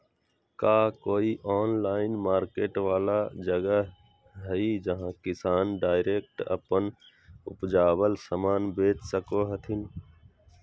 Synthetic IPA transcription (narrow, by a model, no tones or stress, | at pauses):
kaːkoːiʔɔːnlaːɪnmaːɾkeːʈʋaːlad͡ʒəɡəɦ | ɦəid͡ʒəɦãkɪsaːnɖaːɪɾeːk̚ʈə̰pən | ʊ̰pd͡ʒaːbəlsəmaːnbeːt͡ʃsəkoɦət̪ʰɪn